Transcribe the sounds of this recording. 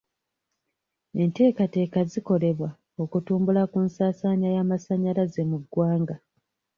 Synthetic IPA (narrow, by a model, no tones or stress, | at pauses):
e̞nte̞ːkate̞ːkaziko̞le̞βwa | o̞kutuːmbulakunsaːsaːɲajaːmasaɲalaze̞muɡwaːŋɡa